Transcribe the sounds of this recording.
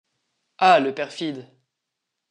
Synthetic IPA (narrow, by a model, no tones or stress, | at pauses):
aləpɛʁfid̪